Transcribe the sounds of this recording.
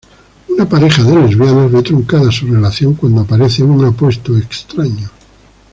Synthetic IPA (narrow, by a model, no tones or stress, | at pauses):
unapaɾe̞xaðelozβjanozβet̪ɾoŋkaðasurelaθjo̞ŋkwand̪oapaɾeθeuŋapwe̞st̪oekst̪ɾaɲo